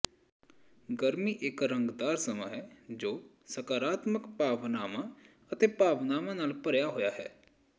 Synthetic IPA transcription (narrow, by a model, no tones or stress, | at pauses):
ɡəɾmiːʔɪkɾə̃ŋɡd̪aːɾsəma̰ɦɛːd͡ʒoː | səkaːɾaːt̪məkpaːʋnaːmãː | ət̪eːpaːʋnaːmãːnaːlpəɾjaːɦoːjaːɦɛː